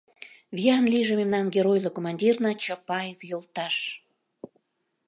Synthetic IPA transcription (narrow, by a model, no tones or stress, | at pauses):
βiɑnliʒememnɑnɡeɾojlokomɑnʲdʲirnɑt͡ɕəpɑjevjolt̪ɑʃ